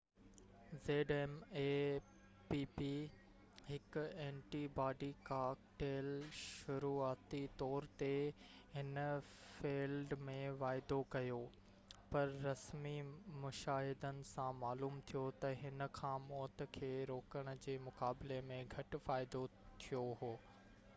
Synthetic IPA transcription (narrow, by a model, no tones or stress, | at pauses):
zeːɖeːmeː | piːpi | ɦɪkʊẽːnʈibaːɖikaːkʈeːlʃʊɾuːaːt̪it̪ɔːɾt̪eɦɪn | fiːlɖmẽʋaːɪd̪okɐjo | pɐɾːɐsmimʊʃaːɦɪd̪ənɪ̆sãmaːluːmt̪ʰijot̪ɐɦɪnə̆kʰãːmɔːt̪ə̆kʰeːɾoːkəɽ̃ʊ̆d͡ʑeːmʊkaːbɪlemẽɡʱɐʈʊ̆faːɪd̪o | t̪ʰijoɦoː